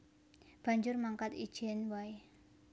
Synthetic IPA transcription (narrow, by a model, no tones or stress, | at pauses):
b̥a̤ɲd͡ʒʊrmaŋkat̪id̥ʒ̥ɛnwae